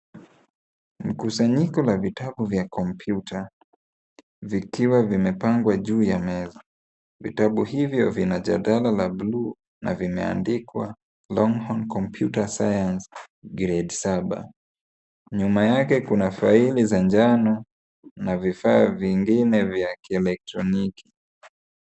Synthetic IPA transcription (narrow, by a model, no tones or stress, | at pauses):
m̩kusaɲikɔlavitaɓuvjakɔmpʰjutʰa | vikiwavimɛpaŋɡwaʄuːjamɛzɔ | vḭtaɓuhivjɔvinaʄaɗalalabluː | na̰vimɛa̰ndikwa | lɔŋhɔnkɔmpʰjutasajans | ɡɾɛdsaɓa̰ | ɲumajakɛkunafailizand͡ʒanɔ | navifaːviŋɡinɛvjakiɛlɛk̚tɾɔniki̥